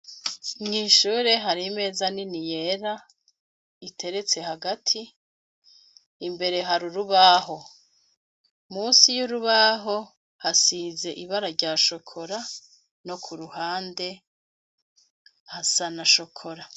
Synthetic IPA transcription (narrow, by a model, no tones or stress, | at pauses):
ŋiːʃuːɾe̞ɦaɾime̞ːzaninije̞ɾa | itʰe̞ɾe̞t͡se̞haɡatʰi | mbe̞ɾe̞ɦaɾuɾuβaɦo̞ | muːsijuɾuβaɦo̞ | hasiːze̞ʔiβaɾaɾɟaːʃo̞kʰo̞ɾa | no̞kʰuɾuhaːnde̞ | hasanaʃo̞kʰo̞ɾa